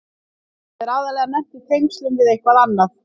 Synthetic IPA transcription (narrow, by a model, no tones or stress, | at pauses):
ðɛɾaːwðaɾlɛːɣanɛm̥t̪ɪθʰejŋkst̪lʏnvɪðejhkvaðanːaθ